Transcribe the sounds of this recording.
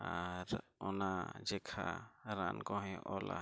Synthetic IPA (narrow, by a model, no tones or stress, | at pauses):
aɾɔnad͡ʒɛkʰaɾankɔɦɛ̃ʔɔla̰